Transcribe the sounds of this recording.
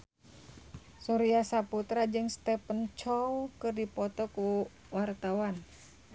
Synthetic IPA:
suɾiasaput̪ɾad͡ʒɨŋst̪ɛpənt͡ʃɔwkɨrdipɔt̪ɔku | wart̪awan

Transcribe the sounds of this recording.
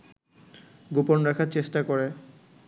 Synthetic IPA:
ɡuponɾakʰaɾt͡ɕeʃʈakoɾe

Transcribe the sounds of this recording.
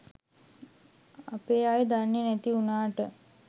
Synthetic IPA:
apeːaːjəd̪anːjenɛt̪iunaːʈə

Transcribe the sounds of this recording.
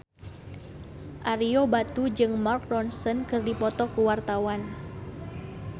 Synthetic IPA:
ʔaɾiobat̪ud͡ʒɨŋmark̚rɔnsɔnkɨrdipɔt̪ɔkuwart̪awan

